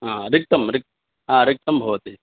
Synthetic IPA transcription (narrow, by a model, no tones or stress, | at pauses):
ɦaːɾɪk̚t̪ɐmɾɪk̚t̪ | ɦaːɾɪk̚t̪ɐmbʱɐʋɐt̪i